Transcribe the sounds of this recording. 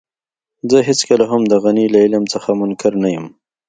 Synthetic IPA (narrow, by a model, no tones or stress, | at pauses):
zəɦɪt͡skəlaɦamd̪əɣanilaɪlamt͡səxamʊnkaɾnajəm